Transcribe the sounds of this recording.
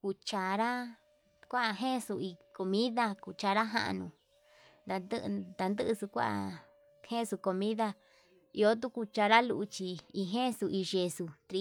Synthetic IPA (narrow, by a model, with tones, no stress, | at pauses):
ku˧t͡ʃa˧˨ɾa˦ | kʷa˦a˧ɦẽ˦˨˧su˧i˧ko˧mĩ˦ða˧ku˧˨t͡ʃa˧ɾa˦ɦã̰˧ʔa̰˧nũ˧ | nd̪a˧d̪ɨ˦˧d̪a˧nd̪ɨ˦ʔsu˧kʷa̰˦ʔa̰˧ | hẽ˦˨˧su˧ko˧mĩ˦ða˧ | i˧o˦t̪̬u˦ku˧t͡ʃa˧ɾa˦lu˧ʔt͡ʃi˧i˧ɦẽ˦˧su˧i˧ʒe˧su˧t̪ɾi˧